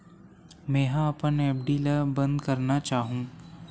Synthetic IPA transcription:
mɛ̃ːɦãɐpənɛːp̚ɖiːləbɐ̃nd̪kɐɾnat͡ʃaːɦũː

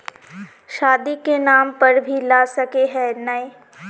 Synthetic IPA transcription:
ʃaːd̪ikenaːmpɐɾbʱilaːsɐkeɦɛnɐi

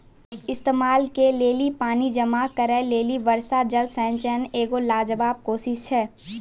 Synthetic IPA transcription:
ɪst̪eːmaːlkeleːlipaːnid͡ʒɐmakəɾɛleːliʋɐɾsad͡ʒəlsɛ̃ːnt͡ʃɛneːɡolaːd͡ʒəbaːb̚koːʃɪʃt͡ʃʰɛː

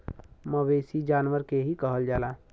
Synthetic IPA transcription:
məʋeːsid͡ʒaːnwəɾkeɦikəɦəld͡ʒaːlaː

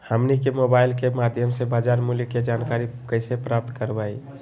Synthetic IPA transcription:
həmnikemobaɪlkemad̪ʱjəmsebaːd͡ʒaɾmuliked͡ʒankaɾikəɪsepɾap̚t̪kəɾbai

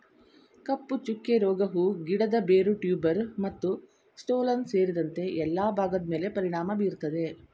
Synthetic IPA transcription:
kɐpːut͡ʃukːeɾɔːɡɐɦuɡiɽɐd̪ɐbeːɾuʈjuːbɐɾmɐt̪ːu | sʈoːlɐnse̞ːɾid̪ɐnt̪e̞ɛlːaːbʱaːɡɐd̪ɐme̞ːle̞pɐɾiɳaːmɐbiːɾt̪ːɐd̪e̞

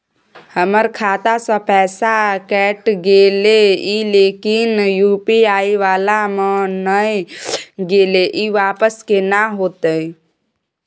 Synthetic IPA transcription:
həməɾkʰaːt̪asə̃pɛːsakɛʈɡeːleileːkinjuːpiaːiʋaːlamənə | ɡeːleʔiʋaːpəskenaɦoːt̪əi

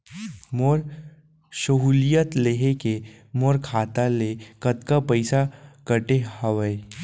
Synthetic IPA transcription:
moːɾ | ʃəɦuːlijət̪leɦeke | moɾkʰaːt̪alekət̪kapəɪsakəʈehəʋəe

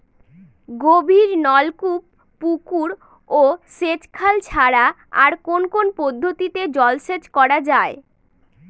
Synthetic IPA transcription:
ɡobʱiɾnɔlkupː | ukuɾ | oset͡ɕkʰalt͡ɕʰaɾa | aɾkonkonpod̪ʱːot̪it̪ed͡ʑɔlʃet͡ɕkɔɾad͡ʑae

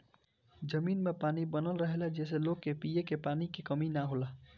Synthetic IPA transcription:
d͡ʒəmiːnmepaːnibənəlɾəɦelad͡ʒɛːs̬eloɡkːepijekepanikekəminaɦola

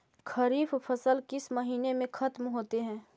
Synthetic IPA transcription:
kɐɾiːffʰɐsəlkɪsmɐɦiːnemẽxɐt̪mɦoːt̪eɦɛ̃ː

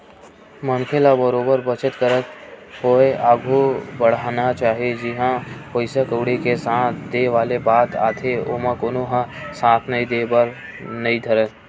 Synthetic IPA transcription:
mənkʰelabəɾoːbəɾbət͡ʃət̪kəɾət̪ɦoeaːɡʱobəɽ̤aːnat͡ʃaːɦied͡ʒɪɦãpoɪsakoːɽikesãːt̪ʰd̪eːʋaːlebaːt̪a̰ːt̪ʰeoːmãkoːnoɦãsãːt̪ʰnəĩd̪eːbəɾ | nɐĩd̪ʱəɾə

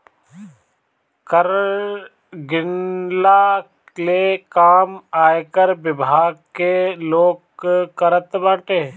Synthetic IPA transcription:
kəɾ | ɡɪnla | leːkaːmaːjkəɾbɪbʱaːɡ̚keloːɡkːəɾət̪baːʈeː

